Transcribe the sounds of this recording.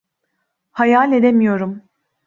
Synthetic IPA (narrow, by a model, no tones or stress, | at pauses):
hajalʲe̞d̪e̞mijo̞ɾum